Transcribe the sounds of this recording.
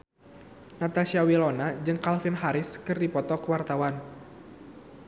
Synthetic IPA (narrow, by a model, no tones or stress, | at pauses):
nat̪asiawilɔnad͡ʒɨŋkalfinɦaɾɪskɨrdipɔt̪ɔkəwart̪awan